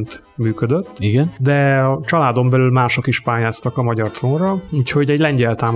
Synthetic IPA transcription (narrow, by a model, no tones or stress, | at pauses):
nt̪ | myːkød̪øt̪ːiɡɛnd̪ɛɒt͡ʃɒlaːd̪o̞mbɛlylmaːʃo̞kiʃpaːjaːst̪ɒkɒmɒɟɒrt̪ronrɒuːcho̞ɟɛɟlɛɲɟɛlt̪aːm